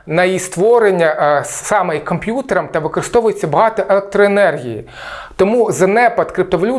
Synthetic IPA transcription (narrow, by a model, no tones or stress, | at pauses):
nɐjist̪ʋɔɾenʲːɐsɑmɛikɔmpʲjut̪eɾɐmt̪ɐʋɪkɔɾɪst̪ɔʋʊjet͡sʲːɐbɐɦɑt̪ɔʔelˠek̚t̪ɾɔenɛrɦʲḭjḭ | t̪ɔmuzɐnɛpɐt̪kɾɪp̚t̪ɔʋɐlʲu